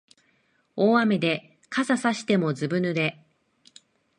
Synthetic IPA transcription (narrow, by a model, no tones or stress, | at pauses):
oːame̞d̪e̞ | kasasaɕi̥t̪e̞mo̞zɨbɯ̟nɯ̟d̪e̞